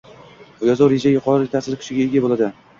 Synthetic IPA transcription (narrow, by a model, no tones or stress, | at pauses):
bʊjazɒwɾe̞ʒajʊqʰɒɾɪt̪ʰasɪzkʲʰʊ̥ʃɪɡʲaeɡʲabolˠad̪ɪ